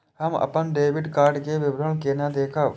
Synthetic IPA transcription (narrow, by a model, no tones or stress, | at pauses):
ɦəmɐ̰pənɖeːʋɪɖkaːɾɖkeʋɪbɾəɭkeːnad̪eːkʰə